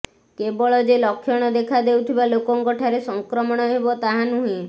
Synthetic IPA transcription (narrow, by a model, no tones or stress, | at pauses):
kebɔɭɔd͡ʒelɔkʰːjɔɽ̃ɔd̪ekʰad̪ewt̪ʰibalokɔŋkɔʈʰaɾesɔŋkɾɔmɔɽ̃ɔɦebɔt̪aɦanuɦĩ